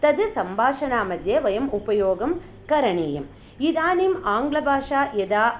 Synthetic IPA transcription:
t̪ɐd̪ɯsɐmbʱaːʂɐnaːmɐd̪jɐʋɐjɐmupɐjoːɡɐm | kɐɾɐɳeːjɐm | id̪aːnimaːŋɡɭɐbʱaːʂaːjɛd̪aː

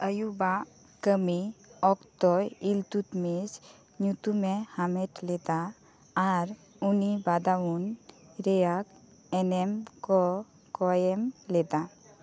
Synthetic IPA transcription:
əjuba | kəmiɔkt̪ɔjilt̪ut̪med͡ʒ | ɲut̪umehameʈlɛd̪aː | ɾ | unibad̪awunɾɛjak | ɛnemkɔ | kɔemlɛd̪a

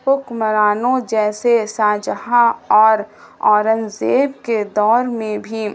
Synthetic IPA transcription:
pʊkməɾaːnõd͡ʒɛːsesaːd͡ʒəɦãɔːɾ | ɔːɾənzeːb̚ked̪ɔːɾmẽbʱi

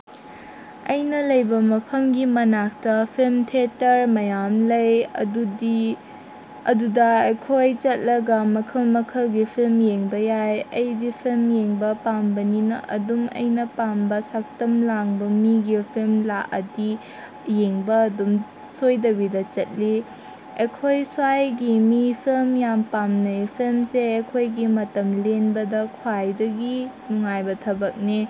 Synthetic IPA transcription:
ɐjnɐlɐjbɐmɐpʰɐmɡimɐnak̚tɐpʰilmtʰetːɐɾmɐjamlɐjɐdudi | ɐdudɐɐkʰojt͡ʃɐt̚lɐɡɐmɐkʰɐlmɐkʰɐlɡipʰilmjeŋbɐjajɐjdipʰilmjeŋbɐpambɐninɐ̰ʔɐ̰dumɐ̰jnɐpambɐsak̚tɐmlaŋbɐmiɡipʰilmlaʔɐdi | jeŋbɐːdum | sojdɐbidɐt͡ʃɐt̚li | ɐkʰojswajɡimipʰilmjampamnɐpʰilmseɐkʰojɡimɐtɐmlenbɐdɐkʰwajdɐɡinuŋajbɐtʰɐbɐk̚ni

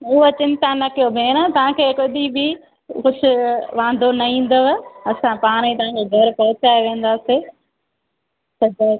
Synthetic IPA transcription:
ʊɦot͡ɕɪ̃nt̪anɐkijobʱeːñət̪ɐʋ̤ãkʰeːkoɗ̪ibɪ | kʊd͡ʑʱʊ̆ʋãːnd̪ʱonɐĩːn̆d̪oʋɐsãpaːɽ̃it̪ɐʋ̤ãkʰeːɡʱɐɾpɐɦʊt͡ɕaːeʋẽːn̆d̪aːse | sɐd͡ʑɐ

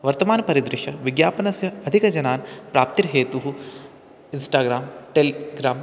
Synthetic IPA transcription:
ʋɐɾt̪ɐmaːnɐpɐɾid̪ɾɪʃɐʋiɡjaːpɐnɐsjɐɐd̪ʱikɐd͡ʒɐnaːnpɾaːp̚t̪iɾɦeːt̪uɦu | insʈaːɡɾaːmʈelɡɾaːm

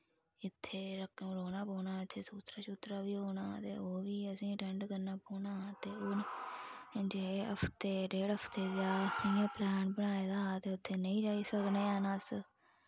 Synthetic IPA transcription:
ɪt̪ʰːeːɾəkːɽoːnaːpoːnaːɪt̪ʰːeːsuːt̪ɾaːt͡ʃuːt̪ɾaːʋiːɦoːnaːt̪ḛːoːʋiːəsĩːʈɛɳɖɡəɾnaːpoːnaːt̪eːʊn | d͡ʒeːəpʰt̪eːɖeːɽɦəpʰt̪eːd͡ʒaːɪjãːplɛːnbənaːeːd̪aːt̪eːʊt̪ʰːeːnəĩːd͡ʒaːiːsəknẽːnəs

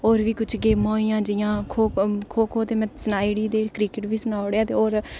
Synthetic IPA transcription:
oːɾʋiːkʊt͡ʃʰɡeːmõːiːãːd͡ʒɪjãːkʰoːkʰoːkʰoːt̪eːmɛ̃ːsənaːiɽiːd̪eːkɾiːkɪʈʋiːsənaːoɽeaːt̪eːoːɾ

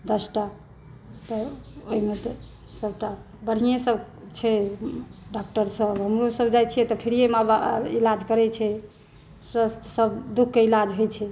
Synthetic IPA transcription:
d̪əsʈa | t̪ɔoɦimet̪ɔ | səbʈa | bəɽ̤ijesəb | t͡ʃʰɛ | ɖak̚ʈəɾsəbɦəmɾosəbd͡ʒajt͡ʃʰijɛt̪ɔpʰiɾijemabaḭlad͡ʒkəɾɛt͡ʃʰɛ | səssəbd̪ukʰːeilad͡ʒɦojt͡ʃʰɛ

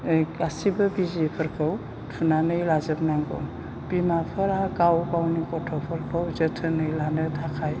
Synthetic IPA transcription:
asibɯbizipʰɯɾkʰɯw | tʰunanɯjlazɯbnaŋɡɔ̰m | pimapʰɯɾaakawkawnikɔtʰɔpʰɔɾkʰawzətʰɯnɯjlanɯtʰakʰaj

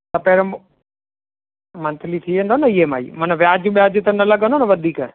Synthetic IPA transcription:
t̪ɐpeːɾo | mɐ̃nt̪ʰɪlit̪ʰiʋẽːnd̪oːnɐiɦema̰ːḭːmɐnʋjaːd͡ʑjũɓijaːd͡ʑʊt̪ɐnɐlɐɡʱənd̪oːnɐʋɐd̪ʱiːk

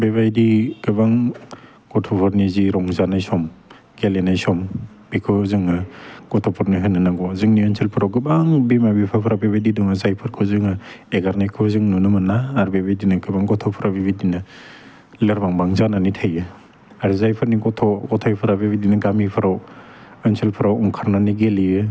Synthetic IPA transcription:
beβajdiɡɯbaŋ | ɡ̥ɔtʰɔpʰɔɾniziɾɔŋzanajsɔm | ɡ̥elenajsɔm | b̥ikʰɯzɯŋaɡ̥ɔtʰɔpʰɔɾniɦɯnːanaɡɔzɯŋnijɔnsʰelpʰɯɾawɡɯbaŋbimabipʰapʰɾabebididɔŋazajpʰɯɾkʰɯzɯŋaeɡaɾnajkʰɯzɯŋnunɯmɯnaːɾbebidinɯɡɯbaŋɡɔtʰɔpʰɯɾabibidina | lɯɾbaŋbaŋzananitʰajɯ | aɾizajpʰɯɾniɡɔtʰɔɡɔtʰɔjpʰɯɾabebidinaɡamipʰɯɾaw | enselpʰɯɾawuŋkʰaɾnaniɡeliɯ

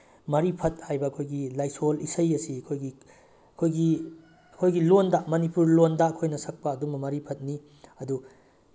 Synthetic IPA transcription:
mɐɾipʰɐt̚hajbɐːkʰojɡilajsolisɐjɐsiɐkʰojɡi | ɐkʰojɡi | ɐkʰojɡilondɐmɐnipuɾlondɐːkʰojnɐsɐk̚pɐːdumɐmɐɾipʰɐt̚ni | ɐdu

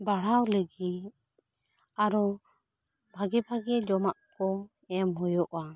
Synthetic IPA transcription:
baɽ̤awləɡit̚ | aɾɔ | bʱaɡɛbʱaɡɛd͡ʒɔmaʔkɔ | ɛmɦɔjɔʔwa

